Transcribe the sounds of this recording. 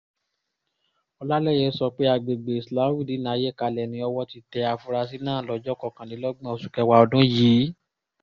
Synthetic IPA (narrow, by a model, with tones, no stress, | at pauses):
ɔ˧la˦lɛ˦˨jɛ˧˨˦sɔ˧k͡pe˦a˧˨ɡ͡be˨ɡ͡be˨i˨sla˨˦wi˦˨di˨˦nã˨˦je˦˨ka˧lɛ˨nĩ˧ɔ˧wɔ˧ti˧tɛ˧a˧fu˧ɾa˧s̬i˦nãː˦˨lɔ˨˦d͡ʒɔ˦˨kɔ˨kã˨nĩ˨˦lɔ˦ɡ͡bã˦ɔ˧˨su˨kɛ˧wa˧ɔ˧dũ˦jiː˨˦